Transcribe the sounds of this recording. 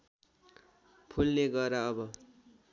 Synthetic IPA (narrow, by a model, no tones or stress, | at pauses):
pʰulneɡʌɾaʌbʌ